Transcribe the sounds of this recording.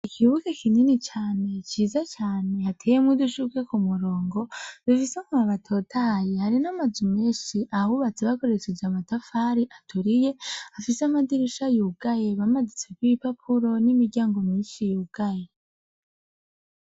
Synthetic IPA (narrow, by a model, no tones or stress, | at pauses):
ikʰiβukekʰininit͡ʃaːne̞t͡ʃiːzat͡ʃaːne̞hatʰeːjemwiduʃuke̞kumuɾo̞ːŋɡo̞βifisemuaβatʰo̞ːtʰaːjehaɾinamazimiːnʃiʔaβuβat͡seβako̞ɾe̞t͡ʃed͡ʒamatafaːɾiʔatʰuɾije̞afiseamadiɾiʃajuɡaje̞βamazit͡se̞kwipapʰuɾo̞nimiɾɟaːŋɡo̞miːnʃijuɡ̥aje